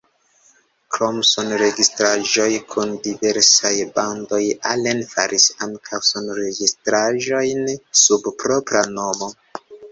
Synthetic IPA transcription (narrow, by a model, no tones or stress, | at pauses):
kɾomsonɾe̞ɡistɾaʒo̞jkʰundive̞ɾsajbando̞jalenfaɾʔisaŋkʰawsonɾeɡistɾaʒo̞jnsubpɾo̞pɾano̞mo̞